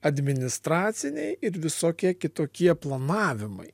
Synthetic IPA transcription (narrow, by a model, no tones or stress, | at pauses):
ɐd̪ʲmʲɪnʲɪst̪ɾɑːt̪sʲɪnʲɛɪɪɾʋʲɪsoːkʲiɛkʲɪt̪oːkʲiɛplˠɐnɑːʋʲɪmɐ̰ɪ